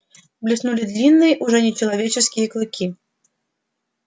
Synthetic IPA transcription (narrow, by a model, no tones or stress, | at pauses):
blʲisnulʲid̪lʲinːɨjɐʔuʐɔnʲɛt͡ʃɐlˠavʲet͡ʃɛskʲijɐklˠɨkʲi